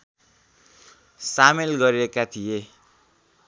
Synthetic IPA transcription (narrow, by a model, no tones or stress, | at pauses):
samelɡʌɾiɾekat̪ʰije